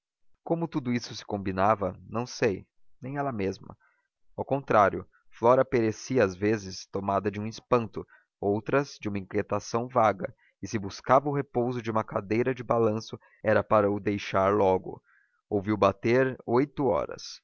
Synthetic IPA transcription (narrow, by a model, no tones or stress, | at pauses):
kõmʊt̪ud̪ʊisʊsɪ̥kõmbinavɐnɐ̃w̃sej | nẽj̃ɛlɐmezmɐ̰ | awkõnt̪ɾaɾjʊ | flɔɾɐpeɾesiɐazvezɪst̪omad̪ɐd͡ʒɪũispɐ̃nt̪ʊ | owt̪ɾɐzd͡ʒɪũmɐĩŋkjet̪asɐ̃w̃vaɡɐ̰ | ɪsɪbuskavɐʊɦepowzʊd͡ʒɪũmɐkad̪ejɾɐd͡ʒɪbalɐ̃sʊ | ɛɾɐpaɾɐʊd̪ejʃaɾlɔɡʊ̰ | owviwbat̪eɾojt̪ʊɔ̰ɾɐ̰s